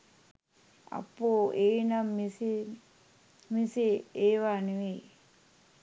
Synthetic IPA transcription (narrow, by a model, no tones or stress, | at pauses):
a̰pːoːeːnamis | miseeːʋaneʋe